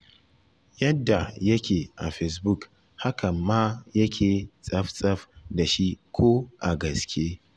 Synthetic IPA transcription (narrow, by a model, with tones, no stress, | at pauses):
jɐ˦dːa˨jɐ˦kʲeː˨ʔa̰˨ɸɛ˨s̬bʊ˦˨k | ha˦kɐ˨mːa˦jɐ˦kʲʰeː˨sʼɐ˦ɸsʼɐ˦ɸda˨ʃi˦kʷʰo˦ʔa˨ɡɐ˨skʲʰeː˦